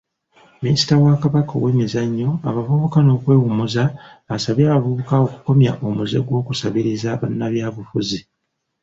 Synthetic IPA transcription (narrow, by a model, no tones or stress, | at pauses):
minisi̥tawakaβako̰weːmizaɲːo̞aβavuβukano̞ːkwe̞ːwumuzaβasaβjaːβavuβukao̞ku̥ko̞mja̰ʔo̞muze̞̰ɡwo̞ːkusaβiɾizaβanːaβjaːβufuzi